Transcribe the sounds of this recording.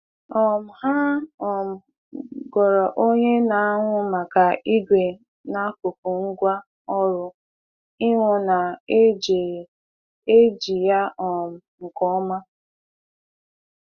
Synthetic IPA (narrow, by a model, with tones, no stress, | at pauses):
ɔ˨m̩˨ha˦ɔ˨m̩˨ | ɡɔ˨ɾɔ˨ʔo˦ɲe˦na˨a˦ŋʷʊ˦ma˨ka˨i˦ɡʷe˨ | na˦ko˨p̚u˨ŋ̩˦ɡʷa˦ | ɔ˦ɾʊ˦ | i˦ŋʷʊ˦na˨˦d͡ʒe˨ | e˦d͡ʒi˨ja˦ɔ˨m̩˨ŋ̩˨kɔ˦ma˦